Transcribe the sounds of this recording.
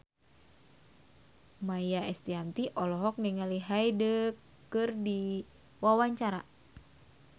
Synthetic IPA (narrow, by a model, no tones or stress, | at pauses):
majaɛst̪iant̪iʔɔlɔɦɔk̚niŋaliɦajdəkː | ɨrdi | wawaɲt͡ʃaɾa